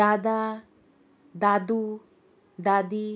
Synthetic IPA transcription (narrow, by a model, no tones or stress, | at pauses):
ad̪a | d̪ad̪u | d̪ad̪i